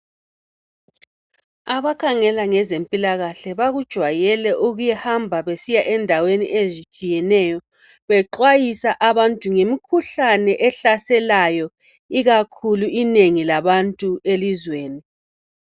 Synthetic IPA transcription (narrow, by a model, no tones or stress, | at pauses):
aβakʰaŋɛlaŋɛzempʼilaɣaɬɛβaɣud̥ʒ̥ʱwajɛlɛʔuɣujɛhambʱaβesijaʔɛndʱawenḭʔezit͡ʃʼijɛnɛjɔ | βɛǃwajisaʔaβantʼuŋemikʰuɬanɛʔɛɬasɛlajɔ | iɣakʰuluineŋilaβantʼuelizweːni